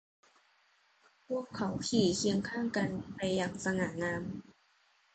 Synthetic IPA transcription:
pʰu˥˩əkʰːa˨˦wkʰiː˨˩˦kʰi˧əŋkʰaː˥˩ŋka˧npa˧jːaː˨˩ŋsa˧ŋaː˩˦ŋaː˧m

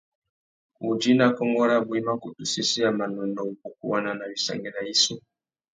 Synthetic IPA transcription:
u˨d͡ʒi˦na˦˨kɔ˦ŋɡɔ˦ɾa˦bwi˦ma˦ku˨tu˨si˦si˦a˨ma˨nɔ˨nɔ˨u˨ku˨k̚u˦wa˦na˨na˨βi˨sa̰˨ŋɡɛ˦na˨i˦su˦

